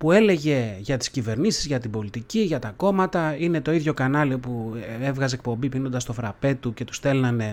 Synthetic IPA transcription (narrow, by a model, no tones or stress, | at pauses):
pue̞le̞ʝe̞ʝɐt̪i̥scive̞ɾnisizʝɐt̪ibo̞lit̪iciʝɐt̪ɐko̞mɐt̪ɐine̞t̪o̞iðʝo̞kɐnɐliopuevɣɐze̞k̚po̞mbipino̞nd̪ɐst̪o̞fɾɐpe̞t̪uce̞t̪u̥st̪e̞lnɐne̞